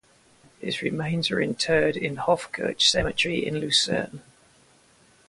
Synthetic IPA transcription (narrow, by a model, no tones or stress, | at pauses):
hɪ̰zɹɪmẽɪ̃nzəɹɪ̰̃ntʰɜːdɪ̃nhɒfkʰɜ̰ˑt͡ʃsɛmɪt͡ʃɹ̥iɪ̰̃nlʉˑsə̰ːn